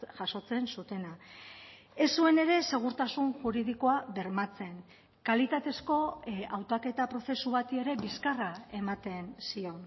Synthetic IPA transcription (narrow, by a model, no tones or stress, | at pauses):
ʝaso̞t͡se̞nsut̪e̞na | e̞sue̞ne̞ɾe̞se̞ɣ̞uɾt̪asunʝuɾið̞iko̞aβe̞ɾmat͡se̞ŋ | kalit̪at̪e̞sko̞awt̪ake̞t̪apɾo̞se̞suβat̪ie̞ɾe̞biskarae̞mat̪e̞nsio̞n